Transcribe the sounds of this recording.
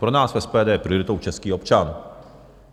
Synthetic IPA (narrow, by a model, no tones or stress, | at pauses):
pɾo̞naːsfɛspɛːdɛːjɛpɾɪo̞ɾɪt̪owt͡ʃɛskiːxo̞pt͡ʃan